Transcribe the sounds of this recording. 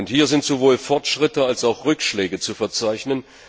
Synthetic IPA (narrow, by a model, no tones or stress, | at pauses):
ʊnthiːɐzɪntz̥ovoːlfɔɐtʃʁ̥ɪtəalsaʊxʁʏkʃlɛːɡət͡sufɛɐt͡saɪçnən